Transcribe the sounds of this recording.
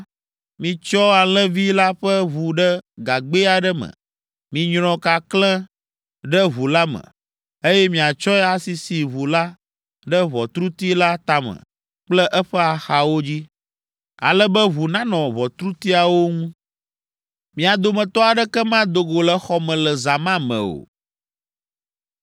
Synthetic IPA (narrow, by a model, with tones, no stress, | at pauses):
mĩ˨t͡ʃɔ˦a˨l̃ɛ̃˦vi˦la˦ɸɛ˦βu˨ɖɛ˦ɡa˨ɡ͡be˦a˨ɖɛ˦mə̰̃˨ | mĩ˨ɲɾ̃ɔ̃˨ka˨klɛ̃˦ | ɖɛ˦βu˨la˦mə̰̃˨ | e˦jɛ˦mĩ˨a˨t͡ʃɔ˦ɛ˦a˨si˨si˨βu˨la˦ | ɖɛ˦βɔ˨t̪ɾu˦t̪i˦la˦t̪a˦mə̰̃˨ | k͡plɛ˦ʔɛ˦ɸɛ˦a˨xa˨wo˦d͡ʑi˦ | a̰˨lɛ˦bɛ˦βu˨nã˦nɔ̃˨βɔ˨t̪ɾu˦t̪i˦a˨wo˦ŋũ˦ | mĩ˨a˨d̪o˨mɛ̃˨t̪ɔ˦a˨ɖɛ˦kɛ˦mã˦d̪o˨ɡo˨lɛ˨xɔ˦mɛ̃˨lɛ˨za˨mã˦mɛ̰̃˨o̰˨